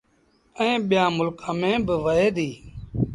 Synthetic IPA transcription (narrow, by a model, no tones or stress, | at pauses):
ɛ̃ːɓɪjãːmʊlkãːmẽːbəʋəɦeːd̪iː